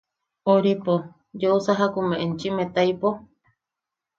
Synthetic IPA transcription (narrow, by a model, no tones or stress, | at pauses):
oɾipo | d͡ʒousaɦakumẽʔent͡ʃimẽt̪aipo